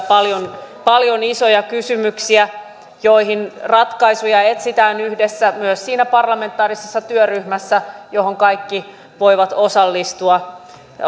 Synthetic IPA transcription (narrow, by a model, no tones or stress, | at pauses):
pɑljonpɑljonisojɑkysymyksiæ | joiɦinrɑt̪kɑisujɑet̪sit̪æːnyhdesːæmyøssiːnæpɑrlɑme̞nt̪ːˑɑːrisesːɑt̪yøryhmæsːæjohoŋkɑikːi | ʋoiʋɑt̪osɑlːist̪uɑ